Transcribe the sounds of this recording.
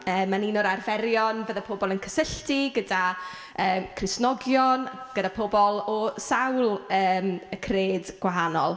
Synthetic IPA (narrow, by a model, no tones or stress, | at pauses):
əːmːaninɔɾarvɛɾjɔnvəðapʰobɔlˠənkʰə̥səɬtiɡəda | əːmkʰrɪsnɔɡjɔnɡ̥ədapʰobɔlˠɔsawlˠəːməkʰreːdɡ̥waɦanɔ̰lˠ